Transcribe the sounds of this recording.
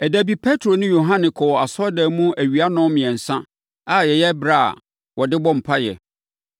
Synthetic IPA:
ɛ˨dæ˨bi˦pʰɛ˦tʰɾo˨nʊ̃˦jo˨ɦã˦nɪ̃˨kʰɔ˨a˨sɔ˦dɛ˨mũ˦æ˨ɥi˨a˦nʊ̃˦mɪ̃˨ɛ̃˨n̩˨sã˦ | a˨jɛ˨jɛ˦bɾa̰˦˨ | wɔ˨dɪ˦bɔ̃˦m̩˨pʰa˦jɛ̰˨

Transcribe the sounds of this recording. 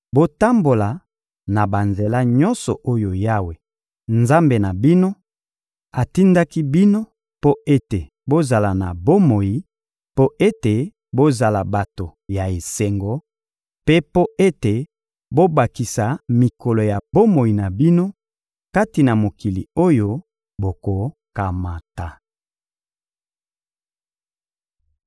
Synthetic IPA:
bo˦ta˦mbo˨la˨ | na˨ba˨nze˨la˦ɲɔ˦nsɔ̰˨ʔo˦jo˨ja˦we˨ | nza˦mbe˨na˨bi˦no˦ | a˨ti˦nda˦ki˦bi˦no˦ | po˦e˦te˨ | bo˦za˨la˨na̰˨bo˦mo˨ji˨ | po˦e˦te˨ | bo˦za˨la˨ba˨to˨ja˨e˨se˨ŋɡo˨ | pe˦po˦e˦te˨ | bo˦ba˨ki˨sa˨mi˨ko˨lo˨ja˨bo˦mo˨i˨na˨bi˦no˦ | ka˦ti˨na˨mo˨ki˨lḭ˨o˦jo˦ | bo˨ko˨ka˨ma˨ta˨

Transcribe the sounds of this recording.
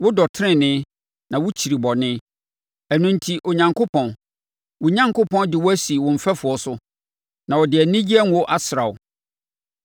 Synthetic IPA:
wʊ˦dɔ˨tʰɪ̃˦˨nɪ̃˦ | nã˨wʊ˦t͡ɕʰi˨ɾi˨bɔ˨nɪ̃˦ | æ˨nũ˨n̩˨tʰi˨ʔo˨ɲã˨ŋkʰo˦pʰɔ̃˨n | wʊ˨ɲã˦ŋkʰʊ˦pʰɔ̃˦ndɪ˨wɔ˦æ˦si˨wʊ̃˨m̩˨fæ˦fʊ˨ɔ˦sʊ˦ | nã˨wɔ˨dɪ˨æ˨˦nĩ˦d͡ʑi˦ɛ˦ŋ˨˦ɔ˦ʔa˨sɾa˨ʊ˨

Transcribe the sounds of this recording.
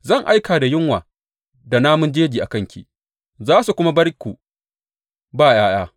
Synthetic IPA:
zɐ˦˨ŋʔa˦jkaː˨da˨jɪ˦ŋwaː˨ | da˨naː˦mʊ˦nd͡ʒeː˦d͡ʒiː˨ʔa˨kɐ˦˨ŋkʲʰḭ˨ | zaː˦su˨kʷʊ˦ma˦bɐ˦rkʷu˨ | baː˦˨jaː˦jaː˦

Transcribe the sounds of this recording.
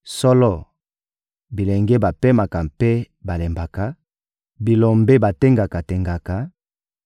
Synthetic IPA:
sɔ˦lɔ˦˨ | bi˨le˨ŋɡe˦ba˨pe˦ma˨ka˨mpe˦ | ba˨le˨mba˨ka˨ | bi˨lo˨mbe˦ba˨te˦ŋɡa˨ka˨te˨ŋɡa˨ka˨

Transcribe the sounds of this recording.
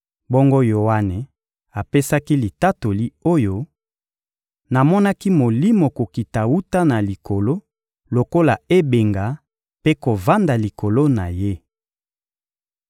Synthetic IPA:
bɔ˦ŋɡo˦jo˨a˦ne˨ | a˨pe˦sa˦ki˦li˨ta˦to˨li˦o˦jo˦ | na˨mɔ˦na˦ki˦mo˨li˦mo˨ko˨ki˨ta˨wu˦ta˦na˨li˨ko˨lo˦ | lo˨ko˦la˨e˦be˨ŋɡa˨ | pe˦ko˨va˦nda˨li˨ko˨lo˦na˨je˦

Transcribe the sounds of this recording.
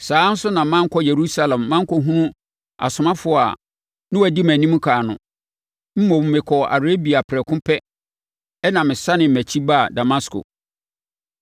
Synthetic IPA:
saː˨˦n̩˦sʊ˦nã˨mã˦ŋ̩˦kʰɔ˦je˨ɾu˦sa˦lã˨mːã˦ŋ̩˦kʰɔ˦ɦũ˦nũ˦ | a̰˨sʊ˨mã˦fʊ˨˦˨a˨ | nɪ̃˦wæ˨di˦mæ̃˨nĩ˦m̃˦kʰaː˨nʊ̃˨ | m̩˦mõ˨m˦mɪ̃˨kʰɔ˨a̰˨ɾe˦bi˨a˨pʰɾɛ˨kʰʊ̃˦pʰɛ˦ | ɛ˦nã˨mɪ̃˨sa˦nɪ̃˨m̩˨mæ˨t͡ɕʰi˦ba˦˨da˨ma˦skʰo̰˨

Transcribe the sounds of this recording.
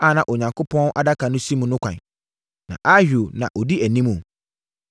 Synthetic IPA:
a˦˨nã˨ʔɔ˨ɲã˨ŋkʰʊ˦pʰɔ̃˦n˦ʔa˨da˦kʰa˨nʊ̃˦si˦mũ˨nʊ̃˦kʷʰã̰˨ɲ | nã̰˨ʔa˦hᶣo˨nã̰˨ʔɔ˨di˦æ˨nĩ˦mũ˨

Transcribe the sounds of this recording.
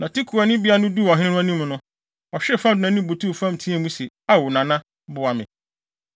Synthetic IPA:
nã˨tʰi˦kʰu˨a˨nɪ̃˦bi˦a˦nʊ̃˦du˦˨ɔ˨ɦɪ̃˦ɪ̃˦nʊ̃˦a˦nĩ˦m˨nʊ̃˦ | ɔ˨ɕᶣɪ˦˨fã˦dʊ˨nã˨nĩ˦bo˨tʰu˦˨fã˦m̩˨tʰĩ˦ɛ˦˨mũ˦se˨ | a˦wʊ˨nã˨nã˦ | bʊ˨a˨mɪ̰̃˨

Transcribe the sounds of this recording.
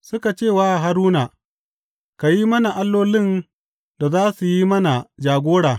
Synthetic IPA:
sʊ˦ka˨t͡ʃeː˦˨waː˦˨ɦa˨ɾuː˦na˨ | ka˨ji˦mɐ˦na˨ʔa˦lːoː˦lɪ˦n | da˨zaː˦su˨ji˦mɐ˦na˨d͡ʒaː˨ɡʷoː˦ɽaː˨

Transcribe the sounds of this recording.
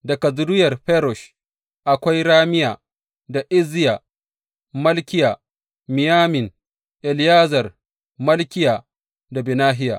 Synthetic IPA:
da˨kɐ˨zʊ˨dʊ˦jɐ˨rɸɛ˦ɾɔ˨ʃ | ʔa˨kʷa˦jɾaː˦mɪ˦jaː˨ | da˨ʔɪ˦zɪ˦jaː˨ | mɐ˦lkʲɪ˦ja˨ | mɪ˨jaː˦mɪ˨n | ʔɛ˨ljaː˦zɐ˨r | mɐ˦lkʲɪ˦jaː˨ | da˨bɪ˨naː˦ɦɪ˦ja̰˨ʔ

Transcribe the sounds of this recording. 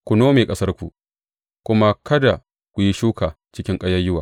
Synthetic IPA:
kʷʊ˨noː˦meː˨kʼɐ˦sɐ˦rkʷu˨ | kʷʊ˦ma˦kɐ˦da˨ | kʷu˨ji˦ʃuː˦kaː˨ | t͡ʃɪ˦kʲɪ˦ŋkʼɐ˦jɐ˦jɪ˦waː˨

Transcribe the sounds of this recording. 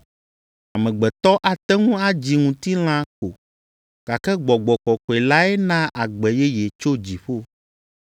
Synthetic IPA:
a˨mɛ̃˨ɡ͡bɛ˨t̪ɔ˦ʔa˨t̪ɛ˦ŋũ˦a˦d͡ʑi˨ŋũ˨t̪i˦l̃ã˦ko˨ | ka˨kɛ˦ɡ͡bɔ˨ɡ͡bɔ˨kɔ˨kɔ˨ɛ˨la˦ɛ˦nã˦ʔa˨ɡ͡bɛ˨jɛ˦jɛ˨t͡ʃo˦d͡ʑi˨ɸo˦

